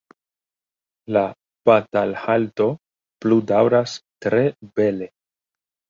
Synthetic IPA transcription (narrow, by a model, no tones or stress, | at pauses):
la | patalhalto̞ | pludawɾastɾe̞be̞le̞